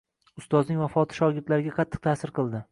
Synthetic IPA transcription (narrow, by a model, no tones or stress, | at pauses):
sʊst̪ɒznɪŋʲvafɒt̪ʰɪ̥ʃɒɡʲɪɾt̪laɾɪɡʲaqʰɑt̪ʰːɨ̥q̚t̪ʰaːsɪɾqɨlˠd̪ɪ